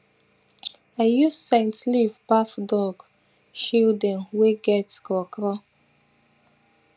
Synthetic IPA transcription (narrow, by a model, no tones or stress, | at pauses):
ajusẽntlivbafdɔɡ | ʃildɛ̃nweɡɛtkɔkɾɔ